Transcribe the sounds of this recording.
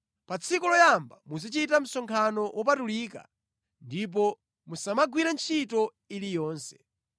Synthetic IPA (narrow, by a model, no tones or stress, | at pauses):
pat͡sʰikɔlɔjambamuzit͡ʃitam̩sɔŋkʰanɔwʔɔp̬atuliːka̰ | ndip̬ɔ | musamaɡwiɾant͡ʃʰitɔ | ilijɔːnsɛ̥